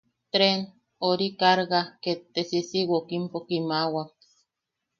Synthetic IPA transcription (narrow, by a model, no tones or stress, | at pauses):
t̪ɾen | oɾikaɾɣaket̪ːesisiwokimpokimawak̚